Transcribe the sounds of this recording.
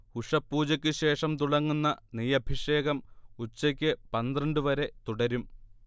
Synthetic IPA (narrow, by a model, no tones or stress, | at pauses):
uʂɐpːuːt͡ɕɐkʲːɨɕe̞ːʂɐmt̪uɽɐŋːunːɐnijɐbʱiʂe̞ːɣɐmut͡ɕːɐkʲːɨpɐnd̪rɐɳɖɨʋɐɾe̞t̪uɽɐɾum